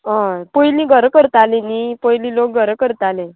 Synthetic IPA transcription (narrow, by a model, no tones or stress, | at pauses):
ɦãpəjlĩːɡʱəɾkəɾt̪alẽnipəjliːlok̚ɡʱəɾəkəɾt̪alẽ